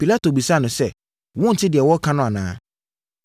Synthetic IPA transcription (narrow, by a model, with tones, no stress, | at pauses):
pi˨la˦to˨bi˨sa˦˨nʊ̃˨sɛ˦˨ | wɔ̃˦n̩˨tʰɪ˦dɪ˨ɛ˨wɔ˦kʰã˦nʊ̃˦a˨nãː˦